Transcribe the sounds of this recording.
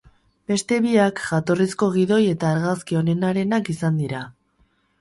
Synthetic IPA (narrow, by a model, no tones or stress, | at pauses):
be̞st̪e̞βiakʝat̪o̞risko̞ɣ̞iðo̞je̞t̪aːɾɣaskio̞ne̞naɾe̞nakisand̪iɾa